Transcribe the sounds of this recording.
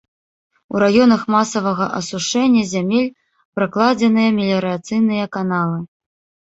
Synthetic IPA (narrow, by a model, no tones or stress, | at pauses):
ṵɾajɔnɐxmasɐvɐɣɐʔɐsuʂɛnʲːɐzʲamʲelʲ | pɾaklˠad͡zʲɛnɨjɐmʲɛlʲɐɾɨat̪sɨjn̪ɨjɐkanalˠɨ